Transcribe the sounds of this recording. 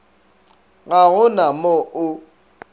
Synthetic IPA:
ɣaɣʊnamɔʔʊ

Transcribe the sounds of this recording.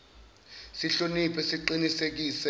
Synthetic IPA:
siɬonipʰʼɛsiǃinisek̬iːsɛ

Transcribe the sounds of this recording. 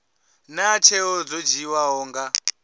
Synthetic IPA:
nat͡ʃʰeɔd͡zɔd͡ʒiwaɦɔːŋɡa

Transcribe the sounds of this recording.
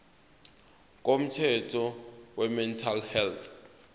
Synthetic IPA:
k̬ʼom̩tʰɛtʰɔwɛmɛntʰalhɛltʰ

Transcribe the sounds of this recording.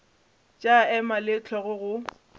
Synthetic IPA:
t͡ʃʼaɛmalɪt͡ɬʰɔɣʊɣʊ

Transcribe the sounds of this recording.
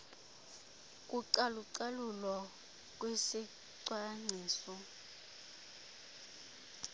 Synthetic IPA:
kʼuǀaluǀalulɔ | k̬ʼwesi | ǀwaŋ͡ǀiːsɔ

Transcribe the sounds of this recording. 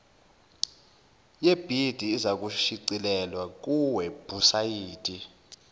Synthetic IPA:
jeb̥ʱid̥ʱiːzak̬ʼuʃiǀilɛlwak̬ʼuwɛb̥ʱusajiːd̥ʼi

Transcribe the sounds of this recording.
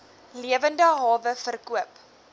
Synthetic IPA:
liəvəndəɦɑːvəfərkuəp

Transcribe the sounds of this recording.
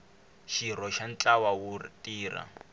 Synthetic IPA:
ʃiɾɔʃant͡ɬʼawawutʼiːra̰

